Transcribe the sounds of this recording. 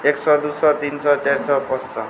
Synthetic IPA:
eksɔd̪usɔt̪insɔt͡ʃaɾsɔpɔsɔm

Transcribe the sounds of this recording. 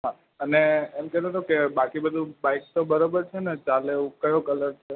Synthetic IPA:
ɦã | əneːmkɛt̪ot̪ʰokebakibəd̪ʱũbaik̚t̪obəɾobəɾt͡ʃʰenet͡ʃaleũkəjõkələɾt͡ʃʰe

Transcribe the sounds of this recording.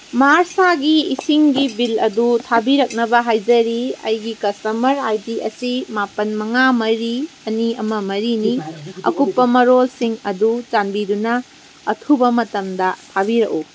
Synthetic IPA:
maɾsaɡiisiŋɡibilɐdutʰabiɾɐk̚nɐbɐɦajd͡ʒɐɾiɐ̰jɡikɐstɐmɐɾajdiʔɐsimapɐnmɐŋamɐɾiɐniɐmɐmɐɾiniɐ̰kupːɐmɐɾolsiŋɐdut͡ʃanbidunɐː | tʰubɐmɐtɐmdɐtʰabiɾɐk̚u

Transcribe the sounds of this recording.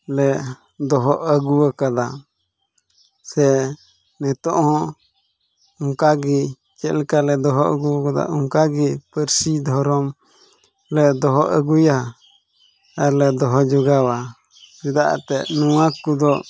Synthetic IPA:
lɛ | d̪ɔɦɔʔəɡuwakad̪a | sɛ | nɛt̪ɔʔɔ̃ | uŋkaɡi | t͡ʃɛʔlɛkalɛd̪ɔɦɔʔə̰ɡuɔkad̪a̰uŋkaɡipəɾsid̪ʱɔɾɔm | lɛd̪ɔɦɔʔəɡuja | ɛlɛd̪ɔɦɔd͡ʒɔɡawa | sid̪aʔa̰t̪ɛnuwãkud̪ɔ

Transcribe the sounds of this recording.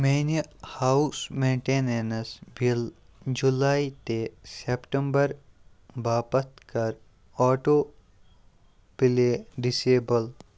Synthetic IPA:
meːnjəhaːusmẽːɳʈeːneːnɐsbʱil | d͡ʒulaːit̪esepʈəmbəɾ | baːpət̪kɐɾ | ɔːʈoː | bileɖɪseːbəl

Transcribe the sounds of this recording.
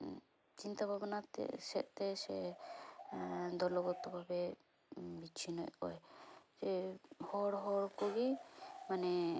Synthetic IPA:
t͡ʃint̪abʱabɔnat̪ɛ̰sɛ̰ʔ̚t̪ɛsɛ | d̪ɔlɔɡɔt̪ɔbʱabɛ | bit͡ʃʰinɔ̰jkɔ̰jd͡ʒɛhɔɽɦɔɽkɔɡimanɛ

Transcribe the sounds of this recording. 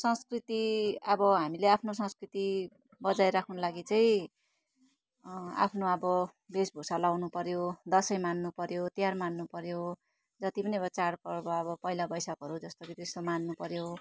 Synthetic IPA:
sʌ̃ŋskrit̪iʌbʌɦamileapʰnosʌ̃skrit̪i | bʌd͡zajɾakʰnolaɡit͡saj̃ | a̰pʰnoʌbʌ | besbʱosalawnupʌɾjod̪ʌsʌjmanːupʌɾjot̪ijarmanːupʌɾjo | d͡zʌt̪ipʌniʌbʌt͡sarpʌrbʌʌbʌpʌɦilabʌjsʌkʌɾud͡zʌst̪okit̪est̪omanːupʌɾjo

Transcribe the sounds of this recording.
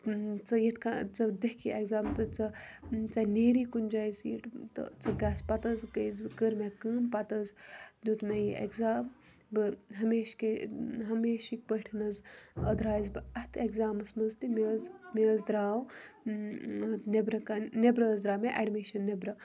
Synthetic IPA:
t͡sɐjet̪ʰkat͡sɐd̪ekʰiʔeɡzaːmt̪ɐt͡sɐt͡sɐneːɾiːkund͡ʒaːjzḭʈt̪ɐ̰t͡sɐɡaːspɐt̪ɐzɡɐjzkəɾmekɨːnpɐt̪ɐzd̪ut̪mejiʔḛkzaːm | bɨɦɐmeːʃkeɦɐmeːʃik̚pəʈʰinɐzɐd̪ɾaːjzbɨɐt̪ʰekzaːmɐsmɐzt̪imezmezd̪ɾaːw | nebɾɐkanebɾɐzd̪ɾaːmeʔɛɖmiʃɐnːebɾɐ

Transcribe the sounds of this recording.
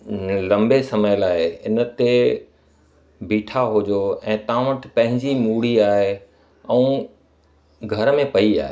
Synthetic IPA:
lɐ̃mbesɐməjəlaːeɪ̰nə̆t̪e | biːʈʰaɦod͡ʑoɛ̃ːt̪ɐãʋəʈʰɪpɐ̃ɦɪ̃ɲd͡ʑimuːɽ̤iaːɦe | ɛ̃ũ | ɡʱɐɾmẽpɐia̰ːɦe

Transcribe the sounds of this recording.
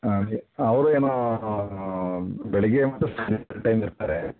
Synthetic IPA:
aiɐʋɐɾueːnoː | bɛɭɛɡemɐt̪ɾɐsaɾiɐɾʈɐjmiɾt̪aːɾe

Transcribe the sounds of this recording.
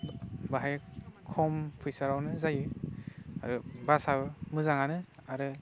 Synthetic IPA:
baɦajkʰɔmpʰujsaɾawnɯzajɯ | a̰ɾɯbasabɯmɯzaŋanɯaɾɯ

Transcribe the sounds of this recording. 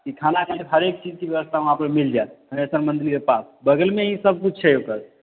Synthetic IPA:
kikʰanaɦiɦəɾek̚t͡ʃid͡ʒkibjəʋəst̪ʰaũãpɾemild͡ʒat̪ɦəmesəɾmənd̪ilkepasbəɡəlmẽɦĩsəb̚kut͡ʃʰt͡ʃʰɛokəɾ

